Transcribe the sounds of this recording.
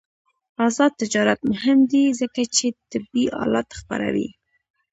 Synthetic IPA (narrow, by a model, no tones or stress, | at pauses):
azɑd̪̚t̪ːɪd͡ʒɑɾat̪mʊɦɪmd̪izəkat͡ʃet̪ɪbiʔɑ̰lɑt̪ːxpa̰ɾa̰wḭ